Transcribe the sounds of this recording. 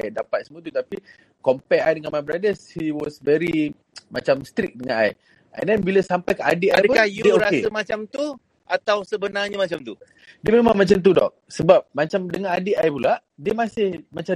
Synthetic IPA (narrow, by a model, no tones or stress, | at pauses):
dapat̪̚səmot̪ut̪api | kɔmpɛajdəŋanmajbɾadəshiwɔsvɛɾi | mat͡ʃamst̪ɾik̚dəŋãna̰j | ʔɛ̰̃ndɛnbiləsampajkəʔa̰diʔapkajuoɾakseəmat͡ʃamt̪u | ʔat̪awsəbənaɲəmat͡ʃamt̪u | diəmemã̰ŋmat͡ʃamt̪̬udɔ̰k̚səbap̚mat͡ʃamdəŋãnadiʔajpulaʔ | diəmasɪhmat͡ʃa